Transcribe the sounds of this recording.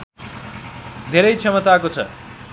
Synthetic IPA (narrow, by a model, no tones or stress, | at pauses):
d̪ʱeɾʌjt͡sʰʌmʌt̪akot͡sʰʌ̰